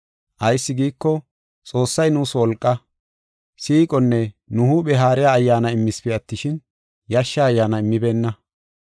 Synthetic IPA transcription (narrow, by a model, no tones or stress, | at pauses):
ʔɐjsːɪɡiːkːɔ | t͡sʼo̞ːsːɐjnuːswɔlkʼːɐ | siːkʼɔnːɛnʊɦʊbɛɦaːɾɪjaːɐjːaːnɐɪmːɪspɪɐt̪ːɪʃɪn | jɐʃːaːjːaːnɐɪmːɪbeːnːɐ